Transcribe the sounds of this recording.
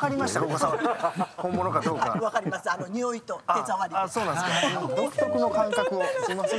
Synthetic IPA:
kaɾʲimaɕit̪akokosãkomːonokad̪oːkaβakaɾʲimasɨano̞ɲ̟ioit̪o̞aezaβaɾʲiasoːnãnskod̪okɯ̟̥t̪o̞kɯ̟no̞kãŋkakɯ̟osimas

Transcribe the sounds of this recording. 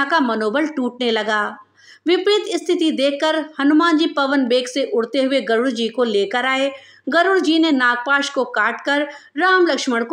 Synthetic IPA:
akamɐnoːbəlʈuːʈ̚nelɐɡaː | ʋɪpɾɪt̪ɪst̪ʰɪt̪id̪eːkʰːəɾhɐnʊmãːnd͡ʑipɐʋənbeːkseʔʊɽt̪eɦʊeɡɐɾʊɽd͡ʑiːkoleːkəɾaːe | ɡɐɾʊɽd͡ʑiːnenaːɡ̚paːʃkokaːʈkɐɾɾaːmlɐkʃməɽk

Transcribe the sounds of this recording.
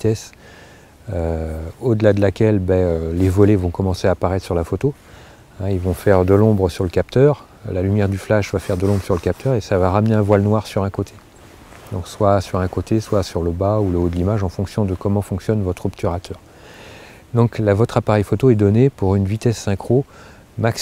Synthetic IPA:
vit̪ɛs | øod̪əlad̪əlakʲɛlbɛølevɔlevɔ̃kɔmɑ̃seapaʁɛt̪χsyʁlafot̪o | ɛ̃ilvɔ̃fɛʁd̪əlɔ̃bʁəsyʁləkap̚t̪œʁ | lalymjɛʁd̪yflaʃvafɛʁd̪əlɔ̃bʁəsyʁləkap̚t̪ʰœʁesavaʁamneɛ̃vwalnwaʁsyʁɛ̃kot̪ʰe̥ | d̪ɔ̃kswasyʁɛ̃kot̪ʰeswasyʁləbauləod̪əlimaʒɑ̃fɔ̃ksjɔ̃d̪əkɔmɑ̃fɔ̃ksjɔnvɔt̪χɔbt̪ʰyʁat̪ʰœːʁ | d̪ɔ̃klavɔt̪χapaʁɛjfot̪oɛd̪ɔnepuʁynvit̪ɛsːɛ̃kχo | maks

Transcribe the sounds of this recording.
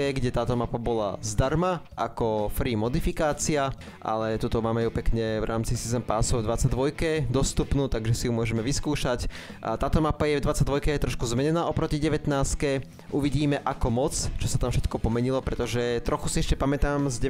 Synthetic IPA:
ɛɡɟɛt̪aːt̪ɔmapabɔla̰zd̪aɾmaʔa̰kɔfɾiːmɔd̪ifikaːt͡sia | ʔa̰lɛt̪ut̪ɔmaːmɛjupɛkɲɛvɾʔaːmt͡sisizɛmpaːsɔvd̪ʋat͡saɟ̚d̪ʋɔjkɛd̪ɔst̪upnuːt̪aɡʒɛsijumʊɔʒɛmɛʋiskuːʃac | t̪aːt̪ɔmapajɛvd̪ʋat͡saɟ̚d̪ʋɔjkɛjɛt̪ɾɔʃkuzmɛɲɛnaːɔpɾɔciɟɛʋɛt̪naːskɛ | ʔuʋiɟiːmɛʔakɔmɔt͡st͡ʃɔsat̪amfʃɛt̪kɔpɔmɛɲilɔpɾɛt̪ɔʒɛt̪ɾɔxu̥siɛʃcɛpamɛt̪aːmzɟɛ

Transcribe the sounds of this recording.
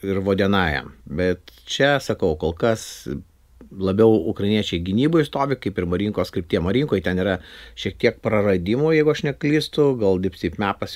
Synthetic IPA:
ɪɾʋoːd̪ʲiɛnɑːjɛ̰mbʲɛt̪t͡ʃʲɛsɐkɐʊkoːlˠkɐs | lˠɐbʲɛʊʊkɾɐɪnʲiɛt͡ʃʲɛɪɡʲɪnʲiːboːɪst̪oːʋʲɪkɐɪpɪrmɐɾʲiŋkoːskɾʲɪpt̪ʲiɛmɐɾʲiːŋkoːjt̪ʲɛniːɾɐʃʲiɛk̚t̪ʲiɛk̚pɾɐrɐd̪ʲimoːjɛɪɡʊɐʃnʲɛklʲiːst̪ʊɡɐlˠdʲɪpʲsʲiɪpmʲæːpɐs

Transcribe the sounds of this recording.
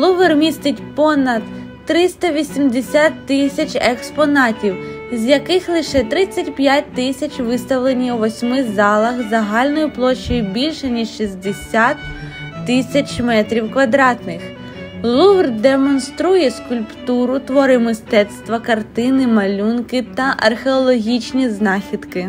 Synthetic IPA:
lˠuʋɪrmʲist̪ɪtʲpɔnɐd̪ | ɾɪst̪ɐʋʲisʲimd̪esʲat̪ːɪsʲɐt͡ʃʲekspɔnɑtʲiw | zʲjɐkɪxlˠɪʃɛt̪ɾɪt͡sʲːɐtʲpʲjat̚ʲt̪ɪsʲɐt͡ʃʋɪst̪ɐʋlˠenʲijwʋɔsʲmɪzɑlˠɐxzɐɦɑlʲnɔjʊplˠɔʃːɔjʊbʲilʲʃɛnʲiʃʃizd̪esʲat̪ːɪsʲɐt͡ʃmɛt̪ɾʲiwkʋɐd̪ɾɑt̪nɪx | lˠuʋrd̪emɔnst̪ɾujɛskulʲpt̪uɾʊt̪ʋɔɾɪmɪst̪ɛt̪st̪ʋɐkɐrt̪ɪnɪmɐlʲunkɪt̪ɐʔɐ̰rxeɔlˠɔɦʲit͡ʃnʲiznɑxʲid̪̥kɪ

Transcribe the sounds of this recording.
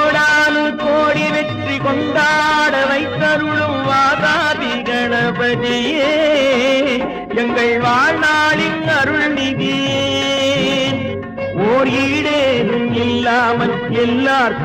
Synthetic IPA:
ɽaːnɯkoːɽiʋɛʈrikɔnd̪aːɽɐʋɐɪt̪ːɐɾʊɭɯmʋaːðaːðiɣɐɳɐpɐɾijeː | ɛŋɡɐɭʋaːɻnaːɭɪnɐɾɯɭnɪði | oːɾiːɽeːɾɯmɪlːaːmɐl | ɛlːaːɾ

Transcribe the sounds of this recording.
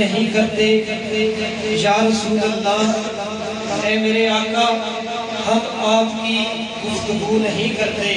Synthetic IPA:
əɦĩkɐɾt̪eː | d͡ʒaːɾəsuːɾət̪naː | ɛ̃ːmeːɾeaːkaː | hɐm | aːpkiː | ɡʊft̪ʊɡuːnəɦĩkəɾt̪eː

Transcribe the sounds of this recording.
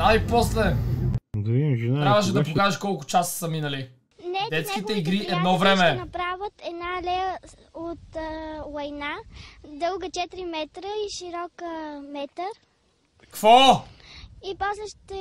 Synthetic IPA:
aipɔslɛ | d̪ɐviimʒinaɾɾavəʃ̬ɛd̪ɐp̬okaʒɛʃkɔlˠkʊ̥t͡ʃassɐminəli | nɛd̪ɛt̪skit̪ɛiɡɾiʔɛd̪nɔvɾɛmɛnɐpɾavət̪ɛd̪nalɛə | ot̪ːlˠɐjnad̪ɤlˠɡət͡ʃɛt̪ɾimɛt̪ɾəiʃiɾɔkəmɛt̪əɾ | kvɔ | ipɔslɛʃt̪ɛ

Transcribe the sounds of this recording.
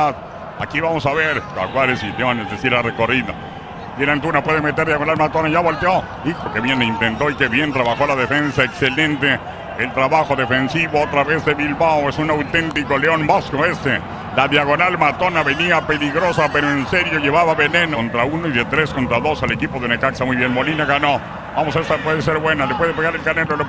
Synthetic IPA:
að | akiβamosaβeɾka̰kwaɾesit̪eβanezesiɾareko̞riða | d̪eɾant̪unapweðemet̪e̞ɾðjaɣonalmat̪onaʝaβolt̪eo | ikokeβjenint̪ent̪oikeβjent̪ɾaβaxo̞laðefensaekselent̪eː | lt̪ɾaβaxoðefensiβoot̪ɾaβezðeβilβaoesunawt̪ent̪ikoleonboskoest̪e | laðjaɣ̞o̞nalmat̪onaβe̞niape̞liɣɾosapeɾoenseɾjoʝeβaβaβenẽnont̪ɾaunoiðet̪ɾeskont̪ɾaðo̞sale̞kipoðeunekaksamujβjenmo̞linaɣano | bamosest̪apweðes̬eɾβwe̞nalepweðepeɣaɾelkanelol

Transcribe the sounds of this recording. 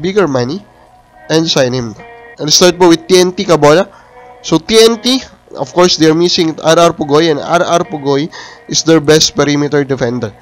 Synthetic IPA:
biɡɛɹmani | ʔɛ̃nsajnɪ̃mʔɛ̃nst̪aɹt̪̚powɪd̪̚t̪iɛnt̪ikɐboːla | sot̪iɛnt̪i | ʔɔfkɔɹsd̪ɛɹmisɪ̃ŋʔaɾaɹpʊɡojɛ̃nd̪a̰ɾaɹpʊɡojʔɪsd̪ɛɹbɛst̪̚pɛɾimɪt̪ɛɹd̪ɛfɛ̃nd̪ɛɹ

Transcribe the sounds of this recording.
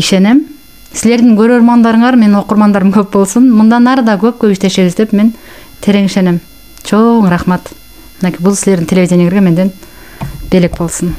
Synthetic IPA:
iʃe̞nem | sɪzle̞ɾd̪ɪŋkʲʰɵɾoɾmɑnd̪ɑɾəɴɑɾme̞nɪnwo̞qəɾmɑnd̪ɑɾəmkʲʰɵpbo̞lˠsənmʊnd̪ɑnɑɾəd̪ɑkʲʰɵp̚kʲʰɵbɪʃt̪eʃeɡʲɪzt̪epme̞n | t̪ʰe̞ɾe̞ŋiʃe̞nem | t͡ʃʰowəɴɾɑχmet̪ | mɪnekʲijbʊlˠsɪle̞ɾd̪ɪŋt̪ʰeleid̪ʲjneŋeɾɡʲeme̞nd̪e̞n | b̥elek̚bo̞lˠsən

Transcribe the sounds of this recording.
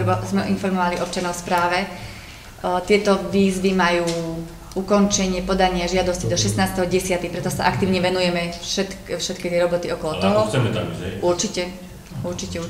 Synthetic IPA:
zmɛʔinfɔɾmɔʋaliʔɔp̚t͡ʃanɔʊfspɾaːʋɛ | t̪ɪɛt̪ɔʋiːzʋimajuː | ukɔnt͡ʃɛɲɪɛpɔd̪aɲɪaʒɪad̪ɔscid̪ɔʃɛst̪naːst̪ɛɦɔɟɛsɪat̪ixpɾɛt̪ɔsaʔak̚t̪iːʊɲɛʋɛnujɛmɛʃɛt̪fʃɛt̪kit̪ɪɛɾɔbɔt̪iɔkɔlɔt̪ɔɦɔɛt̪uɾt͡ʃicɛ | uɾt͡ʃicɛ

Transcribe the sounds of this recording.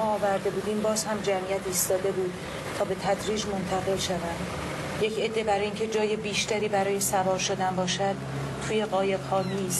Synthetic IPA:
ɒɒːvæɾd̪e̞buːd̪iːmbɒːz̥hæmd͡ʒæmijæt̪ʰiːst̪ɒːd̪e̞buːd̪̥̚ | t̪ʰɒːbe̞t̪ʰæd̪ɾiːd͡ʒmo̞nt̪ʰæɣe̞lʃævænd̪ | je̞cʰe̞d̪ːe̞bæɾɒːiːŋcʲʰe̞d͡ʒɒːje̞biːʃt̪æɾiːbæɾɒːje̞sævɒːɾʃod̪ænbɒːʃæd̪̥ | t̪ʰuːje̞ɣɒːje̞bhɒːniːs

